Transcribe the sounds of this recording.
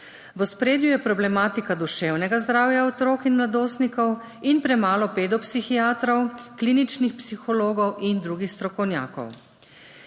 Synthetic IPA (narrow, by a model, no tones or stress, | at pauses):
ʋɔspɾeːd̪jujɛpɾɔblɛmaːt̪ikad̪uʃɛwnɛɡazd̪ɾaːwjaɔt̪ɾoːkinmlad̪oːst̪nikɔw | inpɾɛmaːlɔpeːd̪ɔpsixiaːt̪ɾɔwkliːnit͡ʃnixpsixɔloːɡɔwʔind̪ɾuːɡixst̪ɾɔkɔwnʲja̰ːkɔ̰w